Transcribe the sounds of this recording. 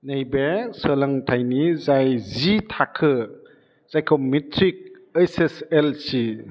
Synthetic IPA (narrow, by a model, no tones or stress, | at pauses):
nejbesəlɐŋtʰajnizajzitʰakʰɯ | z̥ajkʰowmitʰɾik̚ | ajseselsi